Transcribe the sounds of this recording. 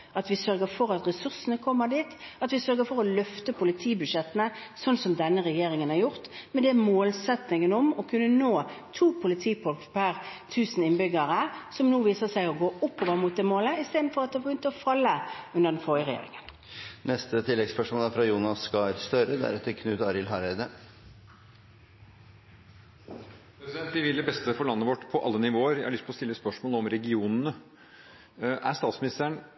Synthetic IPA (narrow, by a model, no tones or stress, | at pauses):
ʔɑt̪ʋɪsœɾɡəfɔɾɑt̪ʁɛsʉʁsənəkʰɔmːəd̪iːt̪ɑt̪ʋɪsœɾɡəfɔɾɔlœft̪əpʰʊlɪt̪ʰiːbʉd̪ʃɛt̪ːənəsɔnsɔmd̪ɛnːəʁɛjeːɾɪŋənɑɾjʊʁt̪mɛd̪ɛmoːlsɛt̪nɪŋənɔmɔkʰʉnːənoːt̪ʰuːpʰʊlɪt̪ʰiːfɔlkpʰæʁt̪ʰʉːsnɪnbʏɡɑɾəsɔmnuːʋiːsəsæɪɔɡoːʔʊpːɔʋɑːmʊt̪̚d̪eːmoːləɪst̪eːd̪n̩fɔʁɑt̪̚d̪ɛæbɪjʏnt̪əɔfɑlːəʉnəʁd̪ɛnfɔəʁɛjḛːʁɪ̰ŋən | nɛst̪ət̪ʰɪlːɛɡspœʂmoːlæɾfɾɑjuːnɑskɑɾst̪œɾəd̪æ̰ɾɛt̪ʰːəkʰnʉːt̪ɑɾɪlɦɑɾed̪ə | pʰɾɛsɪd̪ɛnt̪̚d̪ɪʋɪlːəbɛst̪əfɔɭɑnːəʋɔʈːpʰɔʔɑlːənɪʋoːəɾjæɪhɑɾɭʏst̪pʰəɔst̪ɪlːəspœʂmoːləɔmɾɛɡɪuːnnə | ʔæɾst̪ɑːt̪smɪnɪst̪əɳ